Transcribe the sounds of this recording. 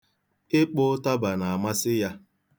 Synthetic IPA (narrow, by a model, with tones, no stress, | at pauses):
ɪ˦k͡pʊ˦ta˦ba˨na˨a˨ma˦sɪ˦ja˦